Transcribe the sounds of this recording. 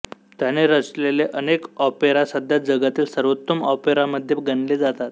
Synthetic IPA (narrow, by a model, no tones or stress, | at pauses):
t̪janeɾət͡sleleʔənekɔpeɾasəd̪ʱjad͡zəɡat̪iːlsəɾʋət̪ːəmɔpeɾaməd̪ʱjeɡənled͡zat̪at̪